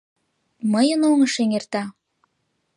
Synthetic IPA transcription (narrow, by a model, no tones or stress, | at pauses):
məjənoŋəʃeŋert̪ɑ